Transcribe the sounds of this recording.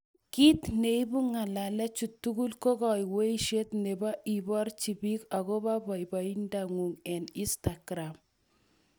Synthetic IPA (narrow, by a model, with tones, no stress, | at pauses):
ki˦t̪neibu˦ŋa˨lalɛ˦t͡ʃu˨tːuɡu˦lko˦kɔ˨jwe˦iʃe˦t̪neba˦ʔi˨bɔ˦rt͡ʃi˨bi˦ka˨ɣo˦ba˦bɔ˨jba˨i˦ndaŋu˨ŋɛ˨ni˦staɡɾam